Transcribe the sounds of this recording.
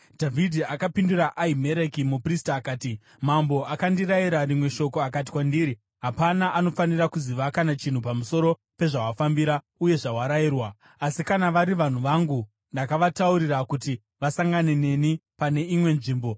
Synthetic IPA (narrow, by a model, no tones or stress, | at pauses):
dʱavʱidʱiakapinduɾaʔaime̞ɾekimupristaːkaːti | mambo̞akandiɾaiɾarimwe̞ʃo̞ko̞akat̬i̥kwandiːɾi | ɦapanaʔano̞fanirakuziʋakanat͡ʃin̤upamuso̞ɾo̞ | pe̞ʐawafambiɾa | uje̞ʐawaɾajiːrwa | asikanaʋaɾiʋan̤uʋaŋɡu | ndakaʋatauɾirakuti | ʋasaŋɡane̞ne̞nipane̞imwe̞nʐiːmbo̞